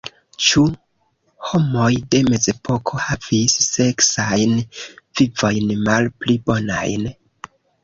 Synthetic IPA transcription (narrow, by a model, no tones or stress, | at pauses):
t͡ʃu | ho̞mo̞jde̞me̞ze̞pʰo̞kʰo̞hav̥isːe̞ksajnvivo̞jnmalplibo̞na̰jn